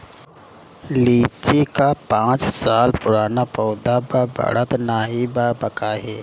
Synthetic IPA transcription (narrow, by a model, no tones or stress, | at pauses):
liːt͡ʃekapãːt͡ʃsaːlpʊɾaːnapɔːd̪ababʱa̰ɽət̪naɦibabəkaɦɛː